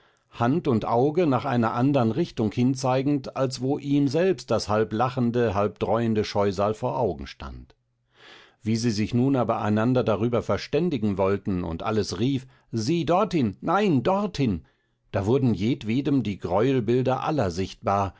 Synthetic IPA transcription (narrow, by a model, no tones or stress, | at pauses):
hantʊntʔaʊɡənaːχʔa̰ɪnɐʔandəʁənʁɪçtʊŋhɪnt͡saɪɡŋ̩talsv̥oːʔiːmzɛlpst̚d̥ashalplaχndəɦalp̚d̥ʁɔʏəndəʃɔʏzaːlfoːɐʔaʊɡŋ̩ʃta̰nt | v̥iːziːzɪçnuːnaːbɐʔa̰ɪnandɐdaʁyːbɐfɛɐʃtɛndɪɡŋ̩vɔltn̩ʊ̰ntʔa̰ləsʁiːf | ziːdɔɐthɪnːaɪndɔʁthɪn | d̥aːvʊɐdn̩jeːtv̥eːdəmdiːɡʁɔʏlbɪldɐʔa̰lɐzɪçt̚b̥aːɐ